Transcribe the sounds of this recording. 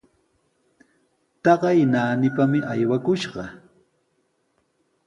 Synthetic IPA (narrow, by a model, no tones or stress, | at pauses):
t̪ɑɢɑjnaːnɪpamɪʔajwakʊʃɢɑ